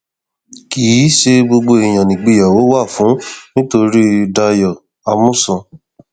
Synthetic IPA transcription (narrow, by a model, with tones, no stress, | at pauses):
ki˨˦ʃe˧ɡ͡bo˧ɡ͡bo˧e˨j̃ã˨nĩ˨ɡ͡bi˧˨ja˨wo˨˦wa˦˨fũ˨˦nĩ˦to˧ɾi˦da˧jɔ˨ | a˧mũ˦˨sɔ̃˧